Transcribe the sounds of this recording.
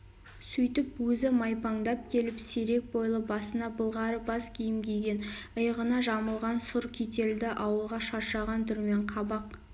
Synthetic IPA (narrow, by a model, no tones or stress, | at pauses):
sɵjt̪ɪpwɵzɪmɑjpɑŋd̪ɑp̚kʲʰe̞lɪpseɾe̞k̚bo̞jlˠəbɑsənɑbəlˠʁɑɾəbɑskʲʰejɪmɡʲejɡʲe̞nəjʁənɑʒɑməlˠʁɑnsʊɾkʲʰet̪e̞ld̪ɪʔɑwəlˠʁɑʃɑɾʃɑʁɑnt̪ʰʏɾme̞ɴqʰɑbɑq̚